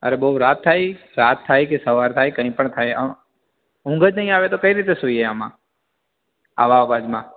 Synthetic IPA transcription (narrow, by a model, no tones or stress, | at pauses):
ə̰ɾebəuɾat̪ʰːaj | ɾat̪ʰːajkesəʋaɾt̪ʰajkəɦĩpəɳt̪ʰajə | ɦũŋɡəd͡ʒnəɦĩaʋet̪okəiɾit̪esuieəmã̰ | a̰ʋaʋad͡ʒmã